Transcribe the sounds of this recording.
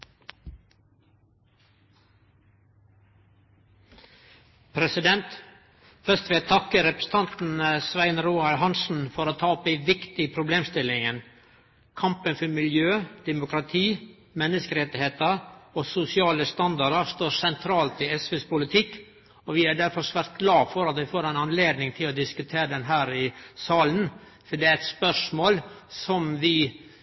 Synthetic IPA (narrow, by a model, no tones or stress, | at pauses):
pʰɾɛsɪd̪ɛnt̪ | fœst̪ʋɪːɛt̪ʰɑkəɾɛpɾəsn̩t̪ʰɑnt̪n̩əsʋæɪnɾuːɑɾhɑnsn̩fɔɾoːt̪ʰɑːɔp̪æɪʋɪkt̪ɪpʰɾʊbleːmst̪ɪlɪŋən | kʰɑmpənfɔmɪljøːd̪̥ɛmʊkʰɾɑt̪ʰiː | mɛnːəskəɾɛt̪ːɪheːt̪əɾɔsʊsɪɑːləst̪ɑnd̪ɑɾəɾst̪oːɾsɛnt̪ʰɾɑːlt̪ɪɛsʋʉspʊlɪt̪ʰɪkː | ɔʋɪæɖæɾfɔɾsʋæɾt̪̚ɡlɑːfɔɾɑt̪ʋɪfoːɾæɪnɑnleːd̪nɪŋt̪ʰɪlɔd̪ɪskʉt̪ʰeːɾəd̪ɛnɦæːɾɪsɑːlən | fɔɖɛæɾɛt̪spœʂmoːlsɔmʋɪ